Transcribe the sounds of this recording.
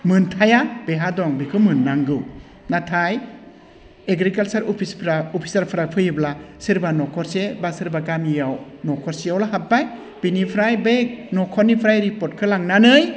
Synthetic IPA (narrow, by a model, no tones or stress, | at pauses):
mɯntʰajab̥eɦadɔŋbikʰɯmɯnːaŋɡɯw | natʰaj | eɡɾikalt͡ʃaɾɔpʰispʰɾaopʰi̥saɾpʰɾapʰɯjɯblasiɾbanɔkʰɔɾsebasiɾbakamijaw | nɔkʰɔɾsijawlaɦat̚baj | b̥inipʰɾajbek̚nɔkʰɔnipʰɾajɾipɔɾt̚kʰɯlaŋnanɯj